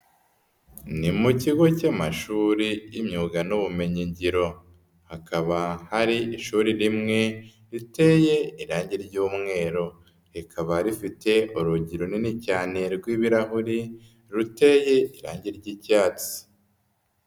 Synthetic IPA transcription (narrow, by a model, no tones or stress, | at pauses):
nimuciɡo̞camaʃuːɾijimɲuːɡanuβume̞ɲiɲɟiɾo̞ | hakʰaβahaɾiiʃuːɾiɾimŋe̞ | ɾite̞je̞iɾaːɲɟiɾɟuːmŋe̞ːɾo | ikʰaβaɾifite̞ʔuɾuɟiɾoninicaːne̞ɾɡwiːβiɾaɦuɾi | ɾute̞je̞iɾa̰ːɲɟiɾɟicaːt͡si̥